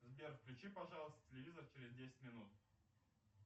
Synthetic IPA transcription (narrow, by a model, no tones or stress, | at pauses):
zbʲerfklʲʊt͡ɕipɐʐɑlˠəst̪ə̥tʲɪlʲɪvʲizərt͡ɕɪɾʲɪzʲdʲesʲɪ̥t̚ʲmʲɪnut̪̚